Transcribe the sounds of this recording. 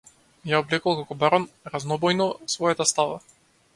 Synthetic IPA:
jaɔblɛkalˠkakɔbaɾɔnɾaznɔbɔjnɔsvɔjat̪ast̪ava̰

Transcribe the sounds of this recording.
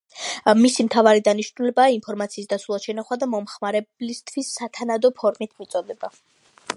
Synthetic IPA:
misimt̪ʰavaɾid̪aniʃnulɛbaːinpʰɔɾmat̪sʰiːsd̪atsulˠad̪ʃɛnaχwad̪amɔmχmaɾɛblist̪ʰwisːat̪ʰanad̪ɔpʰɔɾmit̪ʰmit̪sʼɔd̪ɛba

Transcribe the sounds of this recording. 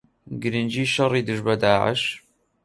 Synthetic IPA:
ɡɨɾind͡ʒiːʃɑrˤːiːd̪ɨʒbɐd̪aːʕə̰ʃ

